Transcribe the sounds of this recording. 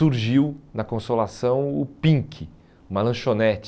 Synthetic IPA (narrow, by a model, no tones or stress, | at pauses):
uɾʒiwnɐkõsolasɐ̃w̃ʊpĩŋkʰɪ | umɐlɐ̃ʃonɛt͡ʃ